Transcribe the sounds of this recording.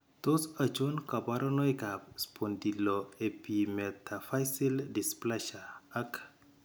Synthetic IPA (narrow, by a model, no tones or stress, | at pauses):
tosat͡ʃonkabaɾɔnɔjkapspʰondilɔepimɛt̪ʰafajsildisplɛʃaːk